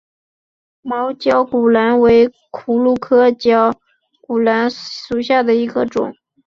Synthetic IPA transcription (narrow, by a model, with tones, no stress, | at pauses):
mɑ˧˥ʊt͡ɕjɑ˥ʊku˨˩la˧˥nwe˧˥ɪ | kʰu˨˩lu˥˩kʰɤ˥t͡ɕjɑ˥ʊ | ku˨˩la˧˥nʂu˨˩ɕja˥˩d̪ə˩i˧˥ɡə˧ʈ͡ʂʊ̰˨˩˦ŋ